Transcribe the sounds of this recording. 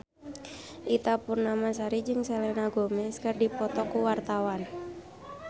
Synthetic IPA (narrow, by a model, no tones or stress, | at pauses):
ʔit̪apʊnːamasaɾid͡ʒɨŋselɛnaɡomɛskərdipɔt̪ɔkuwart̪awan